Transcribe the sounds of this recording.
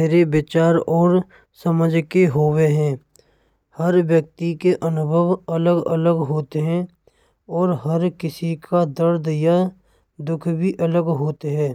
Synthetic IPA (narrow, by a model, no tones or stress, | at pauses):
eɾebɪt͡ʃaːɾɔːɾ | səməd͡ʒʱkeɦoːweɦɛ̃ː | həɾʋjək̚t̪ikeʔənʊbʱəʋələɡə̰ləɡɦoːt̪eɦɛ̃ | ɔːɾɦəɾkɪsikʰad̪əɾd̪ja | d̪ʊkʰbʱiʔələɡɦoːt̪eɦɛ̃ː